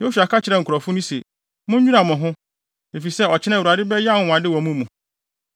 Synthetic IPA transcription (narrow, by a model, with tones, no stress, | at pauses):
jo˦su˨a˨kʰa˦t͡ɕʰɪ˨ɾɛ˦˨ŋ̩˨kʰɾɔ˨fʊ˦nʊ̃˦se˨ | mʊ̃˦ɲ̩˦ɲᶣu˦ã˨mʊ̃˨ɦʊ̃˦ | e˨fi˨sɛ˦ɔ˨t͡ɕʰɪ˦ɛ̃˦˨a˨dɪ˦bɛ˦ja˦˨ʊ˨w̃ã˨dɪ˦wɔ˨mũ˦mũ˨